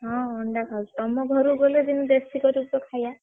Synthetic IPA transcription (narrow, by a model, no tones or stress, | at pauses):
ɦɔ̃ɔɳɖakʰalt̪ɔmɔɡʱɔɾuɡoledinud̪esikɔɾup̚t̪ɔkʰaja